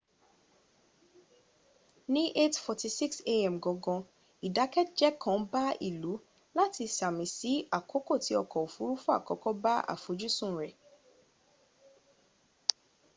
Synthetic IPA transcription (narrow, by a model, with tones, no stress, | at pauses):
nĩ˦ʔe˦tfɔ˨ti˧si˦kse˦ɛ˨mɡɔ̃˨˦ɡɔ̃˧ | i˨da˨˦kɛ˦t̚d͡ʒɛ˦kʰã˨˦ba˦ḭ˨lu˨˦ | la˦ti˧sa˨mĩ˨si˨˦a˨kʰo˨˦ko˦˨ti˨˦ɔ˧kɔ˨o˨fu˨˦ɾu˦fũ˦a̰˦˨kɔ˨kɔ˦ba˦a̰˨fo˨˦d͡ʒu˦sũ˦˨ɾɛ˨